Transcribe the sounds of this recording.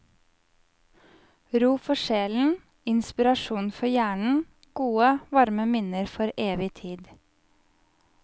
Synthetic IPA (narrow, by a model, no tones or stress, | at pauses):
ɾuːfɔʃeːln̩ | ɪnspɪɾɑʃuːnfɔjæːɳɳ̩ | ɡ̥uːəʋɑɾməmɪnəɾfɔɾʔeːʋɪt̪ʰiːd̪